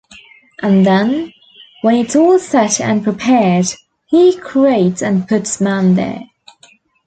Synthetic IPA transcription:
ʔə̃nðə̃n | wə̃nɪtɔːlˠsɛtə̰̃npʰɹ̥ɪpʰɛɹd̥ | hikʰɹ̥ieɪtsə̃npʰʊtsmãnðə̰

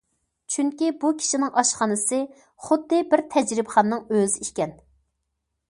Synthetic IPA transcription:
t͡ʃʰyŋkʲibukʲʰi̥ʃinɪŋɑʃχɑnɨsɨ | χʊd̪ːɨbɪɾt̪ʰɛd͡ʒɾɪbχɑnːɨŋøzɪikʲɛn

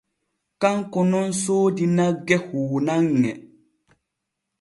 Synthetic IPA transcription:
kaŋkonon̩soːdinaɡɛhuːnaŋːɛ

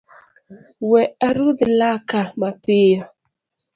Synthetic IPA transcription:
wɛaɾudilakamapija

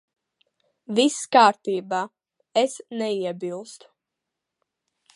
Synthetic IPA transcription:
viskaːɾt̪iːbaː | ɛsnɛiɛbilˠst̪

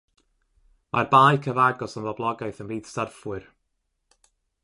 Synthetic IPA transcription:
mʔa̰rbaːjkʰəvaɡɔsənvɔblˠɔɡajθənriːd̥starfwɨr

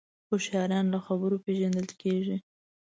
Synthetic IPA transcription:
xoʃɑɾjɑnlaxabəɾopeʒand̪əlkeʒi

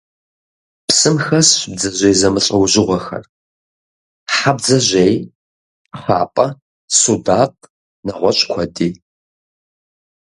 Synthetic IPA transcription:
psɨmxɐsɕb̚d͡zɐʑejzɐmɨɕʼɐwʑɪʁʷɔxɐ̰r | ħab̚d͡zɐʑʷej | χa̰ːpʼɐ | sudaːtʼ | nɐʁʷɔɕʼkʷʰɐdiː

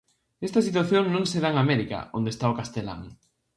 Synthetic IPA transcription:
est̪ɐsit̪waθjoŋnõŋseðaŋamɛɾika̰õnd̪est̪aokast̪ela̰ŋ

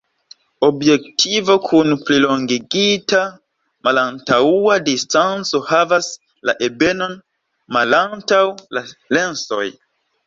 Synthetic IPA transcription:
o̞bje̞k̚tʰivo̞kʰunpliloŋɡiɡita | malantauadistant͡so̞havas | laʔe̞be̞no̞n | malantawlale̞nso̞j

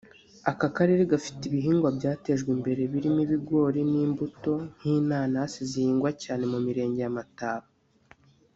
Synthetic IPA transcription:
akakaɾeɾeɡafi̥tiβiɦiːŋɡwabɟaːte̞ʒɡwimbe̞ɾe̞βiɾimiβiɡo̞ːɾiniːmbuto̞n̥hiːnaːnaasizihiːŋɡwacaːne̞mumiɾe̞ːɲɟe̞jamataːβa

